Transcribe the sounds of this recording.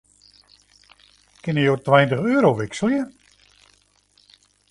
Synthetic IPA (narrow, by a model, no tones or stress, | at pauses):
kɪnjəjoːtʋɛjntəχøːəɾoʋɪksəlˠjə